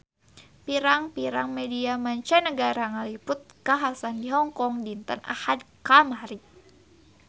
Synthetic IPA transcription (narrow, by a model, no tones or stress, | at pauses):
piɾaŋpiɾaŋmɛdiamaɲt͡ʃɛnəɡaɾaŋalipʊt̪̚kaɦasandiɦɔŋkɔŋdint̪ə̰nʔa̰hadkamaɾi